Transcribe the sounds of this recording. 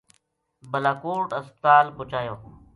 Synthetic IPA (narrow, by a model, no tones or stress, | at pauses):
bəlaːkuːɾʈəst̪aːlbʊt͡ʃaːjõː